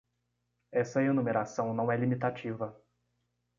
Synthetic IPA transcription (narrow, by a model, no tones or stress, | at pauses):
ɛsɐenumeɾasɐ̃w̃nɐ̃w̃ɛlimit̪at͡ʃivɐ